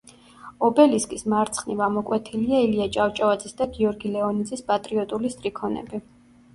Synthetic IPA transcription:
ɔbɛliskʼismaɾt̪sʰχnivamɔkʼwɛt̪ʰiliailiat͡ʃʼaft͡ʃʼavad̪zisd̪aɡiɔɾɡilɛɔnid̪zispʼat̪ʼɾiɔt̪ʼulist̪ʼɾikʰɔnɛ̰bi

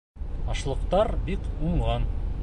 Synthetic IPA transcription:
ɑʃlˠɤ̆qt̪ɑɾbikuɴʁɑn

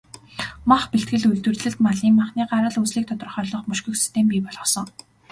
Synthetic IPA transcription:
maχpeɬt̪̚ɡɘ̆ɮuɮt̪wɘ̆rɮɘ̆ɮt̪maɮiːmaχniːɢaɾə̆ɮut͡sɮiːk̚t̪ʰɔt̪ɞ̆rχœːɮɞ̆χmɵʃkɵ̆xsi̥st̪ʰempʲiːpɔɮʁɞ̆sɞ̆ŋ

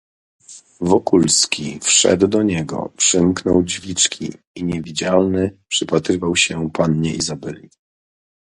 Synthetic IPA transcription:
vɔkulskʲifʂɛ̰d̪wd̪ɔɲɛɡɔ̰pʂɘmknɔwd͡ʑvʲit͡ʂkʲḭ | iɲɛvʲid͡ʑalnɘpʂɘpat̪ɾɘvawɕɛpanɲɛʔizabɛlʲi

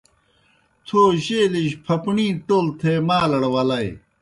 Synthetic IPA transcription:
t̪ʰoːɕeːliɕpʰɐpɳĩːʈoːlt̪ʰemaːlɐɽwɐlɐj

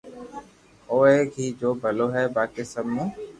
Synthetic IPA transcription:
oːeːɡʱiːd͡ʒoːbʱəloːɦɛːbaːkeːsəmːũː

